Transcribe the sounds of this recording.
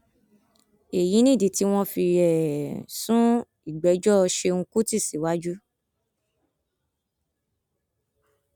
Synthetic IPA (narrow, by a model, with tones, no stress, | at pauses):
e˨jĩ˨˦nĩ˦˨di˨ti˨˦w̃ɔ̃˦fi˧ɾɛ˨sũ˦ | i˨ɡ͡bɛ˨˦d͡ʒɔ˦˧ʃe˧ŋ̩̃˧ku˦ti˦˨si˨˦wa˦d͡ʒu˦